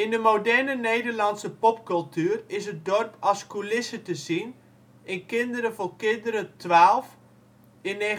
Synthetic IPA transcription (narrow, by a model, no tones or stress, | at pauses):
ɪndəmodɛrnənejdərlɑntsəpɔpkɵlˠtyərɪsət̚dɔrpʰɔskulɪsətəzin | ɪnkɪndəɾəvokɪndəɾətʋaːlˠf | ɪne